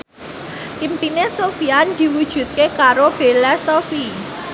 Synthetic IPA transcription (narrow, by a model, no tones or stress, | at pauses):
ʔimpinesofiand̪̥i̤wud̥ʒ̥ṳt̪̚kekaɾob̥e̤lasofi